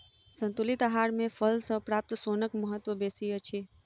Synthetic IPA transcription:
sə̃nt̪ʊlɪt̪aɦaːɾmẽfʰəlsɔpɾaːp̚t̪soːnəkməɦət̪ːʋəbeːsiət͡ʃʰeː

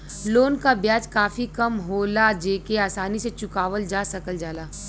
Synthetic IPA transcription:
loːnkabjaːd͡ʒkaːfikɐmɦoːlad͡ʒeːkeaːsaːniset͡ʃʊkaːʋəld͡ʒaːsɐkəld͡ʒaːlaː

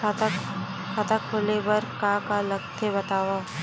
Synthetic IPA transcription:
kʰat̪akʰːʊlebɐɾkãːkalɐkt̪ʰːebɐt̪aːwa

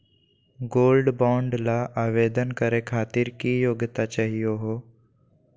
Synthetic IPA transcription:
ɡoːlɖbãːɳɖlaʔaːʋeːd̪ənkəɾekʰaːt̪ɪɾkijoːɡt̪at͡ʃaɦijoɦoː

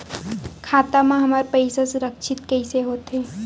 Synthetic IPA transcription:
kʰaːt̪amãɦɐmaɾpɐɪsasʊɾəkʃʰɪt̪kɐɪseɦoːt̪ɦeː

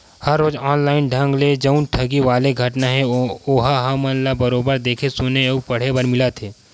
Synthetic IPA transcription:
hɐɾːoːzɔːnlaːɪnɖʱə̃ŋɡled͡ʒɐʊnʈʰɐɡiʋaːleɡʱɐʈnaɦɛ̃oːɦaɦamənlabɐɾoːbəɾd̪eːkʰesʊneupɐɽ̤ebɐɾmɪlat̪ʰeː

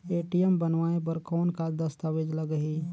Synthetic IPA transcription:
eːʈijɛmbənʋaːep̬ɐɾkɔːnkad̪ɐst̪aʋeːd͡ʒlɐɡəɦi

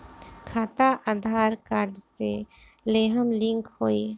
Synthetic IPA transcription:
kʰaːt̪aʔad̪ʱaːɾkaːɾɖse | leːɦəmlɪ̃ŋkhoːiː

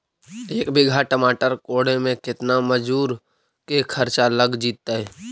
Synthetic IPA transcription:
eːkbɪɡʱaʈəmaːʈəɾkoːɽẽmẽkɪt̪naməd͡ʒuːɾ | kekʰəɾt͡ʃaləɡd͡ʒiːt̪̚t̪aɦɛː

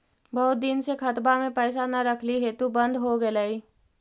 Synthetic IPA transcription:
bɐɦʊt̪̚d̪ɪnsekʰɐt̪bamẽpɛːs̬anɐɾəkʰliɦet̪ubɐ̃nd̪ʱɦoɡelaːi

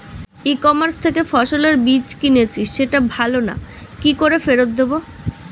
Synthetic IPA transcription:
ikɔmaɾst̪ʰekefɔʃoleɾbit͡ɕkinet͡ɕʰiʃʃeʈabʱalona̰kikoɾefeɾot̪̚d̪ebo

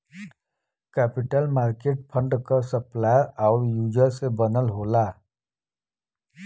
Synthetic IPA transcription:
kɛːpɪʈəlmaːɾkeːʈ̚pʰə̃ɳɖkasəplaːaːʊɾjuːd͡ʒəɾsebənəlɦoːlaː

